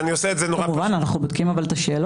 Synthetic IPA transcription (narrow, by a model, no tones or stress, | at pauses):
nioseetzenoʁauvananaχnubod̪̚kimavalt̪aʃeːl